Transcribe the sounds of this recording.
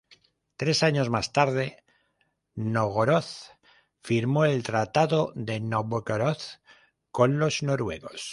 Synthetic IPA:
t̪ɾe̞saɲo̞zmast̪aɾð̞e̞ | noɣoɾoθ | fiɾmo̞e̞lt̪ɾat̪aðoðe̞noβoɣoɾoθ | ko̞nlo̞zno̞ɾwe̞̰ɣo̞s

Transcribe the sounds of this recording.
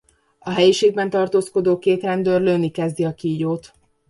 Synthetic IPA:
ɒɦɛjiʃeːɡ̚bɛnt̪ɒrt̪oːsko̞d̪oːkeːt̪rɛnd̪øːrløːnikɛzd̪iɒkiːjoːt̪

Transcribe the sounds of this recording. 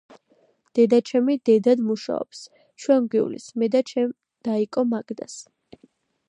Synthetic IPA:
d̪̥ɛd̪at͡ʃʰɛmid̪ɛd̪ad̪muʃa̰ɔ̰ps | t͡ʃʰwɛnɡwiulḭsmɛd̪at͡ʃʰɛm | d̪̥aikʼɔmaɡd̪as

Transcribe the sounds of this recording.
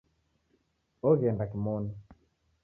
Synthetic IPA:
ɔɣɛndakimɔna

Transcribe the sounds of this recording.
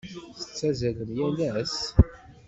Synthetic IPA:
θə̥t͡sːæzæləmjælæs

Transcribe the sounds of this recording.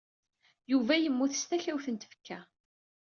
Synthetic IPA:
juvæjəmːuθəst̪æçæwθənt̪ə̥fə̥kːæ

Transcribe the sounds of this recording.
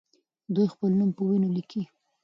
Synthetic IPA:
d̪ujxpəlnumpəwinoliki

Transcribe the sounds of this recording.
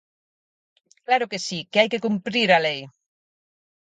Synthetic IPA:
klaɾʊkesikeajkekumpɾiɾalej

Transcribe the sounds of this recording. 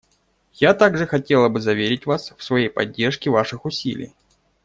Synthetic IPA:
jat̪aɡʐɨxɐtʲe̞lˠəbɨzɐvʲeɾʲɪtʲvasfsvɐjejpɐdʲːe̞rʂkʲɪvaʂɨxʊsʲḭlʲɪ̰j

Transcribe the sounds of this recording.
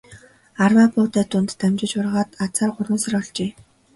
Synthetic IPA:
arwaːpʊːt̪æːt̪ʊnt̪ʰːæmt͡ɕɪ̆t͡ɕʊrʁaːt̪at͡saːrɢʊrwʊ̆ːnsărɔɮt͡ɕeː

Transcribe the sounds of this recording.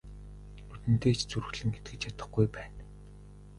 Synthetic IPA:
nut̪ɘ̆n̥t̪eːt͡ɕʰt͡suɾ̆ɮɘ̆ŋɡet̪̚ɡɘ̆t͡ɕjat̪ə̆χɡujpæːn

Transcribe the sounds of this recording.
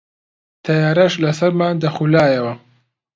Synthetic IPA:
t̪ʰɐjaːɾɐʃlɐsɐɾmaːnd̪ɐxulaːjɐwɐ

